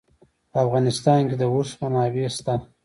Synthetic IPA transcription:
pəafɣɑnɪst̪ɑnked̪əuspanɑːbist̪a

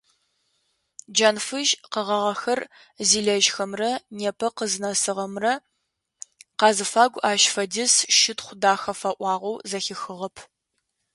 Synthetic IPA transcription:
d͡ʒɐnfɨʒqəʁɐʁɐxɐr | ziːɮɐʒxɐmrɐneːpʰɐqəzɨnɐsɨʁɐmrɐ | qɑːzɨfaːɡʷaːʃfɐdɪsʃɪtχʷʊdaːxɐfɐʔʷɑːʁʷowzɐxɪxɨʁɐpʰ

